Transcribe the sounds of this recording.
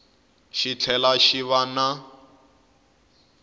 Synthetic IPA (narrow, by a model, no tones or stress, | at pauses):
ʃit͡ɬʰɛlaʃiβana